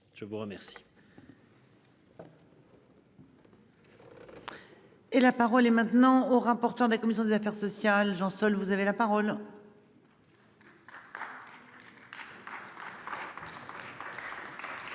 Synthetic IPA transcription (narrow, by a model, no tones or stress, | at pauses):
ʒ̥əvuʁəmɛʁsi̥ | elapaʁɔlɛmɛ̃t̪nɑ̃oʁapɔʁt̪œʁd̪ekɔmisjɔ̃d̪ezafɛʁsɔsjalʒɑ̃sɔlvuzavelapaʁɔl